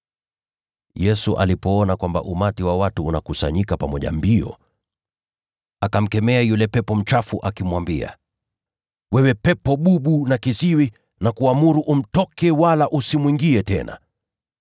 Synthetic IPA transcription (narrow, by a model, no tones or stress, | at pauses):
jɛsuʔa̰lipɔɔnakwamba̰ʔumatiwawatuːnakusa̰ɲikapamɔʄa̰mbiɔ̰ | akam̩kɛmɛajulɛpɛpɔm̩t͡ʃafuʔakimwambia̰ | wɛwɛpɛpɔɓuɓunakisiwi | nakuamuɾuʔum̩tɔkɛwalaʔusimwiŋɡiɛtɛ̰na̰